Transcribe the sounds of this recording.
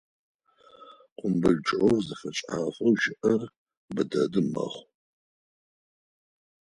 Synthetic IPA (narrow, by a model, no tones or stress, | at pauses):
qʷʼʊmbɨɮʈ͡ʂʼʕowzɨfɐt͡ʃʼaːfʼɐwʃɪʔɐr | bɨdɐdɨmɐ̰χʷ